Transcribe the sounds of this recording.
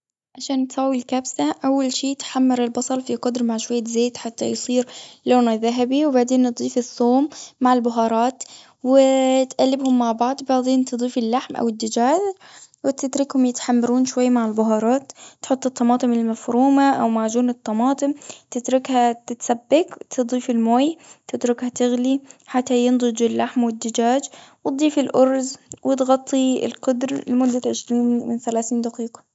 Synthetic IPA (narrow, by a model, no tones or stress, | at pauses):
ʕaʃaːnt̪sˤɑːwːilkabsaʔawːalʃiːt̪ħamːɪɾɪlbɑsˤɑlˤfiqʊd̪ɾmaʕʃwajːazeːt̪ħat̪ːajsˤiːɾloːnaðaɦabiwbaʕd̪eːnːɨd̪ˤiːfɪsːoːmːaʕɪlbʊɦɑːɾˤɑːt̪ | wɪt̪ʔalːɪbhʊmːaʕbɑʕd̪ˤbaʕd̪eːnt̪ɨd̪ˤiːfɪlːaħmʔa̰wɪd̪ːad͡ʒaːʒ | wɪt̪ɪt̪ɾɪkhʊmjɪt̪ħamːɑɾuːnʃwajːamaʕɪlbʊɦɑːɾˤɑːt̪ːħʊt̪ˤːɨt̪ˤːɑmɑːt̪ˤɨmɪlmafɾuːmaʔawmaːʕd͡ʒuːnɨt̪ˤːɑmɑːt̪ˤɨmt̪ɪt̪ɾʊkhat̪ɪt̪sabːɪkt̪ʰɨd̪ˤiːfɪlmoːjt̪ɪt̪ɾʊkhat̪ɪɣliħat̪ːajɪnd̪ˤɨd͡ʒɪlːaħmwɪd̪ːɪd͡ʒaːd͡ʒwt̪̚d̪ˤiːfɪlʔʊɾzwʔɪt̪ɣɑt̪ˤːiɪ̰lqʊd̪ɾlɪmʊd̪ːaʕɪʃɾiːnmɪnθalaːθiːnd̪aqiːqɑ̥